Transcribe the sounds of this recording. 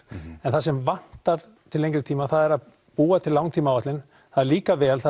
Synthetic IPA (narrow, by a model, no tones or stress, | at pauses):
ɛnθasɛmvan̥t̪aɾ | t̪ʰɪlẽjŋkɾɪɾt̪ʰiːmaθaðɛɾað | puːat̪ʰɪllːawŋt̪ʰiːmawat̪lɪn | θaðɛɾliːkavɛːlθa